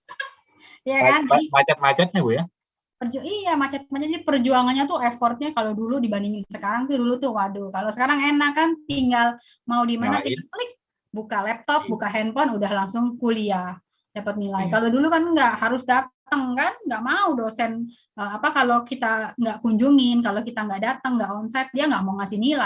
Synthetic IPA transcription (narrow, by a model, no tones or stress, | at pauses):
jakanmat͡ʃɛt̪̚mat͡ʃɛt̪̚ɲaɡuja | pəruʔijamat͡ʃat̪̚mat͡ʃɛt̪̚ɲpərd͡ʒuaŋanɲat̪uɛfɔrt̪̚ɲakaloduludibandiŋɪnsəkaɾaŋt̪udulut̪ʊhwadukalosəkaɾaŋenakːant̪iŋɡal | maudimanat̪iklɪk̚ | bukalɛp̚t̪ɔk̚bukaɦɛnpɔnudahlaŋsʊŋkulia | d̥apət̪̚nilaikalodulukanŋɡaʔhaɾʊsdat̪əŋkanŋɡaʔmaudosɛn | əapakalokit̪aŋɡaʔkuɲd͡ʒuŋɪnkalokit̪aŋɡaʔdat̪əŋːɡaʔɔnsɛt̪̚diaŋɡaʔmauŋasɪhnila